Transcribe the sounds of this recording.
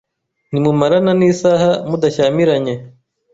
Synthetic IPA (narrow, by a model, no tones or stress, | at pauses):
nimumaɾananiːsaːhamudaʃaːmiɾaɲe̞